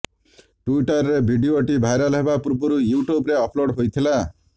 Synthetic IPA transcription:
ʈuiʈɔɾːebʱiɖioʈibʱajɾaleɦbapuɾbɔɾujuʈjubɾeɔpʰloɽɦojt̪ʰila

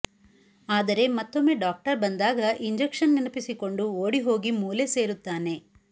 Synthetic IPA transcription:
aːd̪ɐɾe̞mɐt̪ːomːe̞ːɖaːk̚ʈɐɾbɐnd̪aːɡɐʔiɲd͡ʒekʂɐnːinɐpisiko̞ɳɖuoːɽiɦo̞ːɡimuːlese̞ːɾut̪ːaːne̞

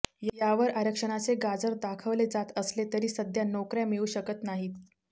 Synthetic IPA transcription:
jjaʋəɾaɾəkʂəɽ̃at͡seɡad͡zəɾd̪akʰəʋled͡zat̪əslet̪əɾiːsəd̪ʱjanokɾjamiuːɕəkət̪naɦiːt̪

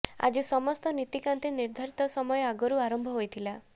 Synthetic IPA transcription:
a̰d͡ʒisɔmɔst̪ɔnit̪ikant̪eniɾd̪ʱaɾit̪ɔsɔmɔjɔaɡɔɾuaɾɔmbʱɔɦojt̪ʰila

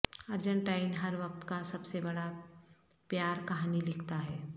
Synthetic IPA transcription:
əɾd͡ʒə̃ɳʈaːɪnɦɐɾʋɐkt̪kasɐbsebɐɽa | pjaːɾkɐɦanilɪkʰt̪aɦɛː

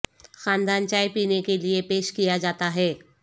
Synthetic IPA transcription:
xãːnd̪aːnt͡ʃaːjpiːnekeliepeːʃkijad͡ʒaːt̪aɦɛː

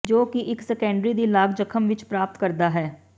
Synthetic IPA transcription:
d͡ʒoːkɪʔɪksɛkɛ̃ːɳɖɾiːd̪iːlaːɡd͡ʒəkʰəmʋɪt͡ʃpɾaːp̚t̪kəɾd̪aːɦɛː

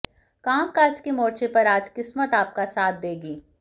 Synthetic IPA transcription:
kaːmkaːɾt͡ʃkemoːɾt͡ʃepɐɾaːd͡ʒkɪsmət̪aːp̚kasaːt̪̚ʰd̪eːɡiː

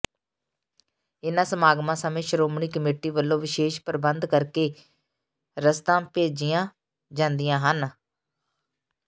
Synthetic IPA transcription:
ɪnãːsəmaːɡmãːsəmẽːʃəɾoːmɳiːkəmeːʈiːʋəlːõːʋɪʃeːʃpəɾbənd̪kəɾkeː | ɾəst̪ãːpeːd͡ʒɪjãː | d͡ʒãːnd̪ɪjãːɦən

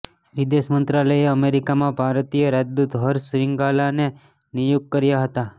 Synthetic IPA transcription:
ʋid̪eʃmənt̪ɾaləjeəmeɾikamãbʱaɾt̪ijəɾad͡ʒd̪ut̪ɦəɾsɾɪŋɡalane | nijuɡ̚kəɾjaɦət̪a

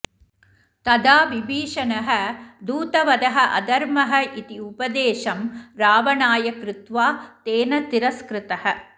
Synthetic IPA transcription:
t̪ɐd̪aːʋibʱiːʂɐnɐɦɐd̪uːt̪ɐʋɐd̪ɐɦɐʔɐ̰d̪ɐɾmɐɦɐʔit̪iupɐd̪eːʂɐmɾaːʋɐnaːjɐkɾɪt̪ʋaːt̪eːnɐt̪iɾɐskɾɪt̪ɐhɐ

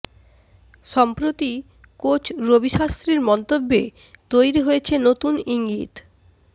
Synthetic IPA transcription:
ʃɔmpɾot̪i | kot͡ɕɾobiʃast̪ɾiɾmɔnt̪obːḛ | t̪ojɾiɦojet͡ɕʰenot̪uniŋɡḭt̪

